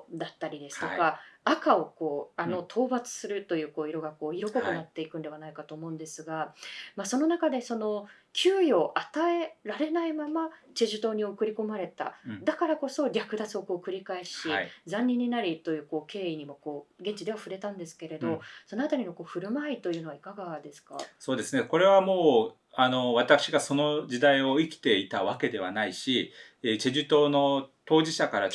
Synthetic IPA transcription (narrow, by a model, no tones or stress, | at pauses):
d̪at̪ːaɾʲid̪e̞sɨ̥t̪o̞kaakao̞ko̞ːano̞t̪ʰo̞ːbat͡sɨ̥sɨɾɯt̪o̞jɯ̟ːko̞ːiɾo̞ɡako̞ːiɾo̞ko̞konat̪ːe̞ikɯ̟nd̪e̞βanaikat̪o̞ːmo̞ɯ̟̃nd̪e̞sɨɡamaso̞no̞nakad̪e̞so̞no̞ | kʲʰɨːjo̞ːʔat̪ae̞ɾaɾe̞naimamat͡ɕiʑɨt̪o̞ːɲ̟io̞kɯ̟ɾʲiko̞maɾe̞t̪a̰d̪akaɾako̞so̞ɾʲakɯ̟d̪at͡sɨo̞ko̞ːkɯ̟ɾʲikaeɕid͡zãɲ̟ʲːĩɲ̟ːinaɾʲit̪o̞jɯ̟ːko̞ːke̞ːiɲ̟imo̞ko̞ːɡẽ̞ɲ̟t͡ɕid̪e̞βaɸɯ̟ɾe̞t̪ãnd̪e̞sɨ̥ke̞ɾe̞d̪o̞so̞no̞at̪aɾʲino̞ko̞ːɸɯ̟ɾɯ̟mait̪o̞jɯ̟ːno̞βaikaɡad̪e̞sɨ̥kaso̞ːd̪e̞sɨneko̞ɾe̞βamo̞ː | ano̞βat̪akɯ̟̥ɕiɡaso̞no̞d͡ʑid̪aio̞ikʲi̥t̪e̞it̪aβake̞d̪e̞βanaiɕi | et͡ɕeʑɨt̪o̞ːno̞t̪o̞ːʑiɕakaɾa